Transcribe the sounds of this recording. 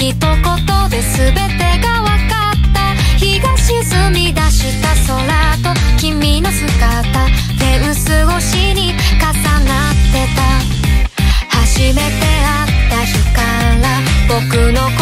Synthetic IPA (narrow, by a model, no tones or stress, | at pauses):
it̪o̞ko̞t̪o̞d̪e̞sɨbe̞t̪e̞ɡaβakat̪ːa | çiɡaɕizɨmʲid̪aɕit̪aso̞ɾat̪o̞kʲimʲino̞sɨkat̪a | t̪ẽ̞ɯ̃sɨɡo̞ɕiɲ̟ikasanat̪ːe̞t̪a | haʑime̞t̪e̞a | tt̪ːaɕokaɾa | bo̞kɯ̟no̞k